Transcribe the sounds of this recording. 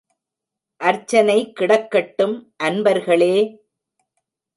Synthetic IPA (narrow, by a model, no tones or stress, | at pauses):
ʔɐɾt͡ʃːɐnɐɪkːɪɽɐkːɐʈːɯmʔɐnbɐɾɣɐɭeː